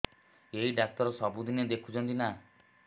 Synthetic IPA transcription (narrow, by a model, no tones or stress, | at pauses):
eiɖak̚t̪ɔɾɔsɔbud̪ined̪ekʰu̥t͡ʃʰɔnt̪ina